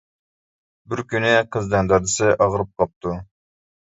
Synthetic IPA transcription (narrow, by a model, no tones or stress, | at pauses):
bɪɾkʲynɪqʰəzd̪ɛnd̪ɑɾd̪ɨsɨʔɑʁɾɨp̚qʰɑp̚t̪ʰu